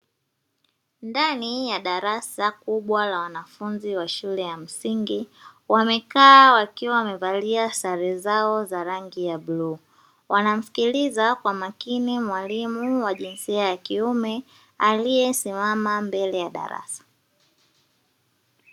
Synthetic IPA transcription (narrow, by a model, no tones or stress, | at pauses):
ndanijaɗaɾasakuɓwalawanafunziwaʃulɛjam̩siŋɡiwamɛkaːwakiwawamɛvaliasaɾɛzaɔzaɾaŋɡijaɓluː | wanam̩fi̥kilizakwamakinimwalimuwaʄinsiajakiumɛ | alijɛsimamambɛlɛjaɗa̰ɾa̰sḁ